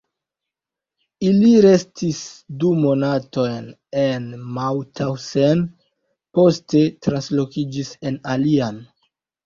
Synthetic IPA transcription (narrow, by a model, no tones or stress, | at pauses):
iliɾe̞stisdumo̞nato̞jn | e̞nmawtʰawsen | po̞ste̞tɾanslo̞kid͡ʒise̞nalian